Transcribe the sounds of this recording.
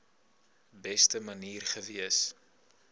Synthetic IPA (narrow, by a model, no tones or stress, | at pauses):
bɛstəmɐniːrχəviəs